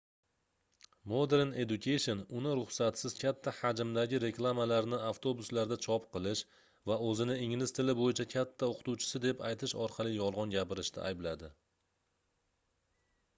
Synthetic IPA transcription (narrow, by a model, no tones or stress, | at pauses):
mod̪e̞ɾne̞d̪ʊkʰʲejʃo̞nʊnɪɾʊχsat̪sɪzkʲʰat̪ʰːahad͡ʒɪmd̪aɡʲɪɾe̞klˠamalaɾnɪaft̪ʰo̞bʊslaɾd̪at͡ʃʰɒpqɨlˠɪʃ | vaɵzɪnɪɪŋlɪz̥t̪ʰɪlɪbojɪt͡ʃʰakʲʰat̪ʰːaoqʰt̪uwt͡ʃʰɪ̥sɪd̪e̞pajt̪ʰɪʃɒɾqʰɑlˠɪjɒlˠʁɑnɡʲapɪɾɪʃt̪ʰa̰ʔa̰jblad̪ɪ